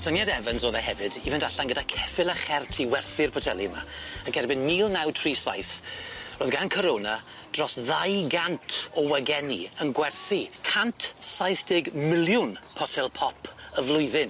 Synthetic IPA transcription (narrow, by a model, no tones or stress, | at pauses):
sənjadɛvənsoːðɛɦɛvɨdivəndaɬanɡədakʰɛfɪlˠaχɛrtʰiwɛrθɪrpʰɔtʰɛlˠima̰əkʰɛrbɪnːiːlˠnawtʰriːsa̰jθroːðɡankʰɔɾoːna | d̥rɔsðajɡantʰɔwɛɡɛniənɡwɛrθikʰantʰsajθd̥ɪɡmɪlˠjʊnpʰɔtʰɛlˠpʰɔpʰəvlˠʊɨðɪn